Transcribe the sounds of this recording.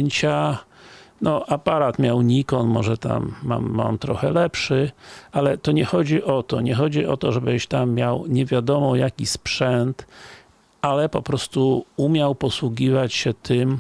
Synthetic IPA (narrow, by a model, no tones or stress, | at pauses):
ɲt͡ɕa | nɔʔapaɾat̪mʲjawɲikɔnmɔʐɛt̪a̰mːa̰mːa̰mt̪ɾɔxɛlɛpʂɘalɛt̪ɔɲɛxɔd͡ʑiʔɔt̪ɔɲɛxɔd͡ʑiʔɔt̪ɔʐɛbɘɕt̪amːjawɲɛvʲjad̪ɔmɔjakʲispʂɛnt̪ | alɛpɔpɾɔst̪uumʲjawpɔswuɡʲivat͡ɕɕɛt̪ʰɘm